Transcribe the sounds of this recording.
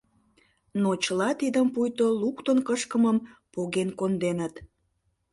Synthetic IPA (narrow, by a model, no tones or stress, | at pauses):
not͡ɕəlɑt̪id̪əmpujt̪olukt̪onkəʃkəməmpoɣenkond̪enət̪